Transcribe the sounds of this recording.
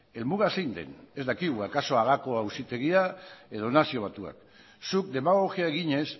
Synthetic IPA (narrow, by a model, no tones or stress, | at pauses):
e̞lmuɣasejnd̪e̞̰ne̞zd̪akiɣ̞uakaso̞aɣ̞ako̞ausit̪e̞ɣiae̞ð̞o̞nasio̞β̞at̪ua̰k | suk̚d̪e̞maɣoxiae̞ɣiɲe̞s